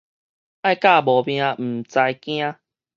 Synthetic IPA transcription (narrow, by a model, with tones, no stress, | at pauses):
a˦˥˧jka˥˧˨bɔ˨˩bj̃ã˧m̩˨˩t͡sa˧jkj̃ã˦